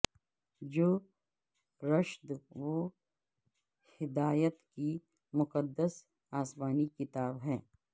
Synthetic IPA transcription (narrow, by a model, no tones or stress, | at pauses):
d͡ʒoː | ɾəʃd̪ʋo | hɪd̪aːjət̪ki | mʊqəd̪ːəs | aːsmaːnikɪt̪aːbɦɛː